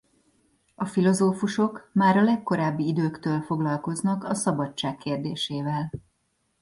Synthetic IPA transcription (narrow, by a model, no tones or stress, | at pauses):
ɒfilo̞zoːfuʃo̞kmaːɾɒlɛkːo̞ɾaːbːiid̪øːkt̪øːlfo̞ɡlɒlko̞znɒkɒsɒbɒt͡ʃt͡ʃːaːkːeːrd̪eːʃeːvɛl